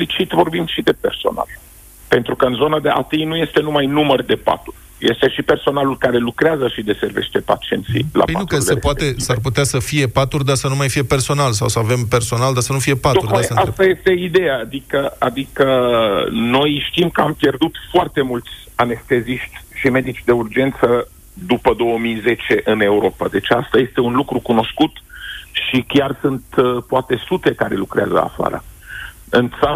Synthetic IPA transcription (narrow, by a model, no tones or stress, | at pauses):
lit͡ʃit̪vo̞rbimʃid̪e̞pe̞rso̞̰na̰l | pe̞nt̪ɾukəɨnzo̞nad̪eʔa̰t̪ijnuje̞st̪e̞numajnumərd̪e̞pa̰t̪urʲ | jest̪e̞ʃipe̞rso̞nalulkaɾe̞lukɾeazəʃid̪e̞se̞rve̞̰ʃt̪e̞pa̰t͡ʃie̞̰nt̪sḭjla̰pet̪ɾuksepuat̪esarp̬ut̪easəfije̞pat̪urd̪asənumajfije̞pe̞rso̞nalsawsəave̞mpe̞rso̞nald̪asənufije̞pat̪ouɾd̪asəast̪aje̞st̪e̞id̪e̞jaːd̪ikəad̪ikə | no̞jʃt̪imkəampje̞rd̪ut̪foart̪e̞mult̪sʲ | ane̞st̪e̞ziʃt̪ʲʃime̞d̪it͡ʃʲd̪e̞urd͡ʒe̞nt̪sə | d̪upəd̪o̞wəmijze̞t͡ʃe̞ʔɨne̞uɾo̞pad̪e̞t͡ʃast̪aje̞st̪e̞unlukɾukuno̞skut̪ʃikʲjarsunt̪poat̪e̞sut̪e̞kaɾe̞lukɾea̰zə̰a̰fa̰ɾə̰ | ɨnt̪sa